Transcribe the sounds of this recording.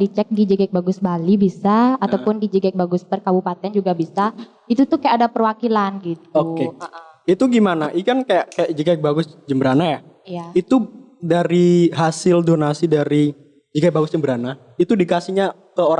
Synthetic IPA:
dit͡ʃɛk̚did͡ʒəɡɛk̚baɡʊsbalibisaːt̪awpʊndid͡ʒəɡɛk̚baɡʊspərkabupat̪ɛand͡ʒuɡabisa | it̪ut̪ʊhkajaːdapərwakilanɡit̪̚okeʔa | it̪uɡimanaʔikankajakajaʔd͡ʒəɡɛk̚baɡʊsd͡ʒəmbəɾanaja | ijait̪u | daɾiɦasɪldonasidaɾi | d͡ʒəɡɛk̚baɡʊsd͡ʒəmbəɾana | it̪udikasiɲa | kəoɾ

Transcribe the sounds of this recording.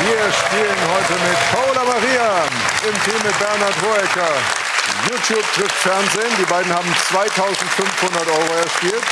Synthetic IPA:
viːɐɛʃteːlənɦɔʏtəmɪtpʰalamaʁiːa | ʔɪmtʰiːmːɪt̚b̥ɛɐnatʁoːɛkɐ | juːtʰjuːp̚tʁɪftfɛɐnzeːndiːbaɪdn̩haːbm̩t͡sv̥aɪtʰaʊzn̩tfʏnfhʊndɐtʔɔʏʁoɛɐʃtiːlt

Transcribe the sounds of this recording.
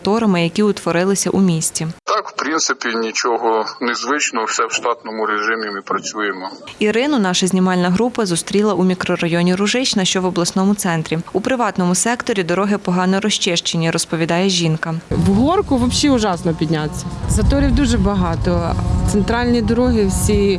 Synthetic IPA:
t̪ɔɾɐmɪjɐkʲiʊt̪ʋɔɾɪlˠɪsʲɐʔumʲisʲt͡sʲit̪ɑkw̥pɾʲint̪sɪpʲinʲit͡ʃɔɦɔnɪzʋɪt͡ʃnɔwsɛwʃt̪ɑt̪nɔmʊɾeʒɪmʲimɪpɾɐt͡sʲujemɔiɾɪnʊnɑʃɐzʲnʲimɑlʲnɐɦɾupɐzʊst̪ɾʲilˠɐʔumʲikɾɔɾɐjɔnʲiɾʊʒɪt͡ʃnɐʃt͡ʃɔʋɔblˠɐsnɔmʊt̪sɛnt̪ɾʲiupɾɪʋɑt̪nɔmʊsɛkt̪ɔɾʲid̪ɔɾɔɦɪpɔɦɑnɔɾɔʃt͡ʃɪʃt͡ʃenʲːiɾɔspɔʋʲid̪ɑjɛʒʲinkɐwɦɔrkʊʋɔbʃiʊʒɑsnɔpʲid̪ʲnʲat͡sʲːɐzɐt̪ɔɾʲiwd̪uʒɛbɐɦɑt̪ɔt̪sent̪ɾɑlʲnʲid̪ɔɾɔɦɪwsʲi

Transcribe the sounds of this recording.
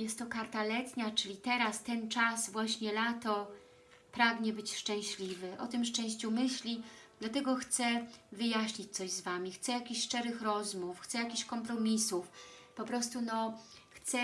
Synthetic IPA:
jɛst̪ːɔkaɾt̪alɛt̪ɲat͡ʂɘlʲit̪ɛɾast̪ɛnt͡ʂasvwaɕɲɛlat̪ɔ | pɾaɡɲɛbɘt͡ɕʂt͡ʂɛ̃w̃ɕlʲivɘʔɔ̰t̪ɘmʂt͡ʂɛ̃w̃ɕt͡ɕumɘɕlʲid̪lat̪ɛɡɔxt̪sɛvɘjaɕɲit͡ɕt̪sɔʑzvamʲixt̪sɛjakʲiɕʂt͡ʂɛɾɘxɾɔzmufxt̪sɛjakʲiɕkɔmpɾɔmʲisufpɔpɾɔst̪unɔxt̪sɛ

